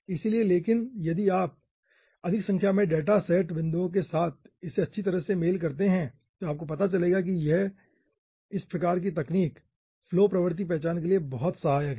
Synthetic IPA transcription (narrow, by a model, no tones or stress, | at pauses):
ɪsilieleːkɪnjɐd̪iaːp̚ | ɐd̪ʱɪksɐ̃ŋkʰjamẽɖeːʈasɛːʈbɪ̃nd̪uõk̬esaːt̪̚ʰ | ɪseɐtːʃʰit̪ɐɾəɦsemeːlkɐɾt̪eɦɛ̃ | t̪oaːp̚kopɐt̪at͡ʃɐleːɡak̬ijɛ | ɪspɾɐkaːɾk̬it̪ɐkniːk | floːpɾɐʋɾt̪̬ip̬ɛɦːt͡ʃaːnk̬eliebɔɦt̪sɐɦaːjaɡiː